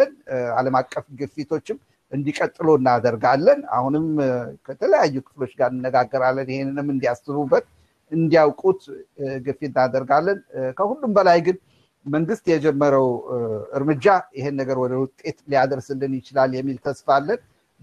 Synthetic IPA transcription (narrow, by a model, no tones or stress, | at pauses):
ənaləmakʼːəfɡɨfit̪ʰo̞t͡ʃːɪm | ʔɨnd̪ikʼət̪ʼːɨlo̞ɨnːad̪əɾɡalːəna̰hunɨmkʰət̪ʰələjajːukʰɨ̥flo̞t͡ʃːɡaɾnɨnːəɡaɡːəɾalːənjɪhenːɨnɨmɨnd̪ijast̪ɨβubːət̪ | ɨnd̪ijawkʼut̪ɡɨfenːad̪əɾɡalːənkʰəhulːumbəlajɡɨn | məŋɡɨst̪jɛd͡ʒɛmːəɾəwɨɾmɨd͡ʒːajɪhenːəɡəɾwɔd̪əwʊt̪ʼe̞t̪lijad̪əɾsɨlːɨnjɪt͡ʃɪlalːjɛmːilt̪ʰəsfalːən